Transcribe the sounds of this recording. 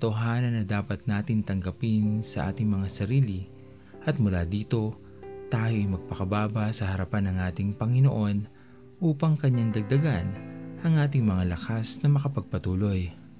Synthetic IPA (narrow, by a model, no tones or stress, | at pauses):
t̪oɦaːnɐnːɐd̪aːpɐt̪̚naːt̪ɪnt̪ɐŋɡɐpɪnsɐʔa̰ːt̪ɪŋmɐŋasɐɾiːlɪ | ʔɐt̪̚mʊlaːd̪iːt̪o̞ | t̪aːjoʔɐjmɐɡ̚pɐkɐbaːbɐsɐhɐɾɐpanːɐŋʔaːt̪ɪŋpɐŋɪnoʔo̞n | ʔuːpɐŋkɐɲːaŋd̪ɐɡ̚d̪ɐɡanʔɐŋʔaːt̪̬ɪŋmɐŋalɐkasnɐmɐkɐpɐɡ̚pɐt̪uːlo̞j